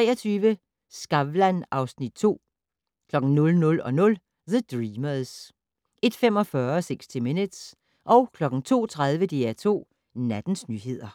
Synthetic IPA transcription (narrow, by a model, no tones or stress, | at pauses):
t͡sʰʁɛ̰ːɒt͡sʰyːʋə | sɡ̥aʋlænɑ̈ʊsnid̥̚t͡sʰo̝̰ː | kʰlɒ̽ɡ̥ŋ̩nɔ̽lnɔ̽lɒ̽nɔ̽l | ðəd̥ʁiːməð̩ˠs | e̝d̥fem̰ɒ̽fɶːɐɒseɡ̥sd̥ʰimenəd̥s | ʔɒ̽ʊkʰlɒ̽ɡ̥ŋ̩t͡sʰo̝̰ːt͡sʰʁaðˠʋəd̥e̝æt͡sʰo̝̰ː | næd̥n̩snyɦe̝ð̞̰ˠɐ